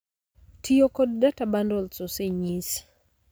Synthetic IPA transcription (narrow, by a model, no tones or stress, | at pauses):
tʰijokɔd̚databandɔlsoseɲis